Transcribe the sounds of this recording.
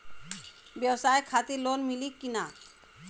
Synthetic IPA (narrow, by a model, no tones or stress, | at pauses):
bjəwsajkʰat̪iɾlonmilikːina